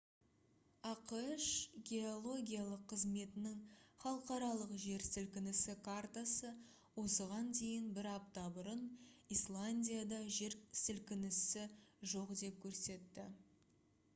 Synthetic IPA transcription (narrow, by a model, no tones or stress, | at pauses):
ɑqʃɡʲe̞o̞lˠo̞ɡʲijalˠəqʰːəzme̞t̪ɪnɪŋχɑlˠəqɑɾɑlˠəqʒe̞ɾsɪlkʲɪnɪsɪkʰart̪asə | wo̞səʁɑnd̪e̞jɪnbɪɾɑpt̪ɑbʊɾənislˠanʲdʲijad̪ɑʒe̞ɾsɪlkʲɪnɪsɪʒo̞qd̪e̞p̚kʲʰɵɾse̞t̪ːɪ